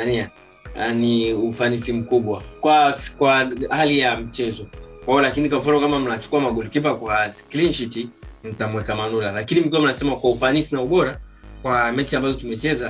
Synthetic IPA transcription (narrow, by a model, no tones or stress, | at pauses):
nia | niufanisim̩kuɓwakwakwahalijam̩t͡ʃɛzɔkwajɔlakinikwaɱ̩fanɔkamam̩nat͡ʃu̥kuamaɡulikip̬akwasklinʃitim̩tamwɛkamanulalakinim̩kuwam̩nasɛmakwaufanisinauɓɔɾa | kwamɛt͡ʃiambazɔtumɛt͡ʃɛza